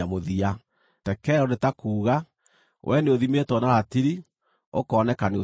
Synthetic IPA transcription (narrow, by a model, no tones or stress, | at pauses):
amoðia | tɛkɛɾɔnetakuːɣa | wʔɛneoðimetɔnaɾatiɾi | o̰kɔːnɛkaneo